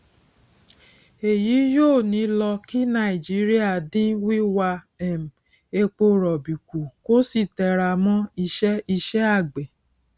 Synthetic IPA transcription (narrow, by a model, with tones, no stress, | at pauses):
e˨ji˨˦joː˦˨nĩ˨˦lɔ˧ki˦nã˧˨i˨d͡ʒi˨˦ɾi˦a˦˨dĩ˦wi˦wa˧ | ɛ˨m˨ | e˧k͡po˧ɾɔ˨bi˨ku˨ko˦si˦˨tɛ˨ɾa˧˨mɔ̃˦i˧ʃɛ˦i˧ʃɛ˦a˦˨ɡ͡be˨